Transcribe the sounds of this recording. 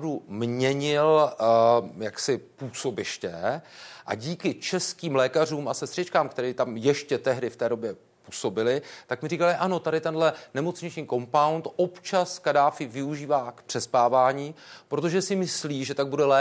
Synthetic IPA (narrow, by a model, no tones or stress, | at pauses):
vdumɲɛɲɪl | jaksɪpuːso̞bɪʃcɛʔa̰ɟiːkɪt͡ʃɛskiːmlɛːkar̝uːmʔasɛst̪r̥ɪt͡ʃkaːmkt̪ɛɾiːt̪amjɛʃcɛt̪ɛɦdɪft̪ɛːdo̞bjɛ | puːso̞bɪlɪt̪akmɪriːkalɪʔano̞t̪aɾɪt̪ɛndɦlɛnɛmo̞t͡sɲɪt͡ʃɲiːko̞mpawnt̪ʔopt͡ʃaskadaːfɪvɪuʒiːvaːkpr̥ɛspaːvaːɲiːpɾo̞t̪o̞ʒɛsɪmɪsliːʒɛt̪aɡ̚budɛlɛ